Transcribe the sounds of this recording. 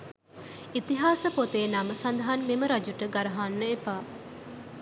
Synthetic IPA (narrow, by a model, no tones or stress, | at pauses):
it̪iɦaːsəpot̪eːnaməsɐnd̪ɐɦanmeməɾad͡ʒuʈəɡaɾɐɦaːnːəepaː